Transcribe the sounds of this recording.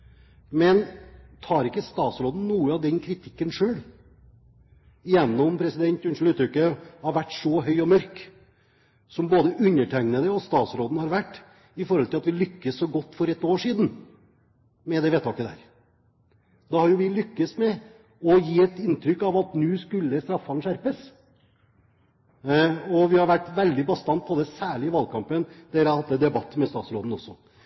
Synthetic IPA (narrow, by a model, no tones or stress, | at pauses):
mɛnt̪ʰɑːɾɪkːəst̪ɑːt̪sɾoːd̪n̩nuːəɑʋd̪ɛnkʰɾɪt̪ʰɪkːənʂøːl | ɪjɛnːɔmpʰɾɛsɪd̪ɛnt̪ʉnʂl̩ʉːt̪ɾʏkːəhɑɾʋæʈːsɔɦœʏɔmœɾk | sɔmboːd̪əʔʉɲːəʈʰæŋnəd̪əɔst̪ɑːt̪sɾoːd̪n̩hɑɾʋæʈː | ɪfɔɾhɔlt̪ɪlɑt̪ʋɪlʏkːəsːɔɡɔt̪ːfɔɾɛt̪ːoːʂiːd̪n̩ | mɛd̪ɛʋeːt̪ʰːɑkːəd̪æ̰ːɾ | d̪ɑhɑɾjʊʋɪlʏkːəsmɛ | ɔjiːɛt̪ɪnt̪ʰɾʏkːɑʋɑt̪nʉːskʉlːəst̪ɾɑfːɑnʂæɾpəs | ɔʋɪhɑɾʋæʈːʋɛld̪ɪbɑst̪ɑnt̪̚pʰɔd̪ɛsæːɭɪɪʋɑlkʰɑmpənd̪̥ɛɾɑɾhɑt̪ːɛd̪ɛbɑt̪ːmɛst̪ɑːt̪sɾoːd̪n̩ɔsɔ